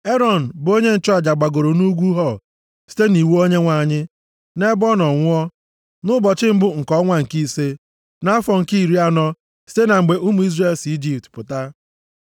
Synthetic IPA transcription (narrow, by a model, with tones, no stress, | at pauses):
e˦ɾɔ˦˨n̩˨bʊ˨o˦ɲe˦n̩˨t͡ʃɔ˦a˨d͡ʒa˨ɡ͡ba˨ɡo˨ɾo˨nu˦ɡʷu˦ɦɔ˨ | si̥˦te˦ni˨wu˦o˦ɲe˦ŋʷa˨ɲɪ˦ | ne˦bɔ˦nɔ˨ŋʷʊ˦ɔ˦ | nʊ˦bɔ˨t͡ʃɪ˦m̩˦bʊ˦ŋ̩˨kɔ˦ŋʷa˨ŋ̩˨ki˦se˦ | na˦a˦fɔ˨ŋ̩˨ki˦i˨ɾi˦a˦nɔ˦ | si̥˦te˦na˨ŋ͡m̩˨ɡ͡be˨ʔu˦mu˨˦i˦zre˨lsi˦d͡ʒi˨ptpʊ˨ta˦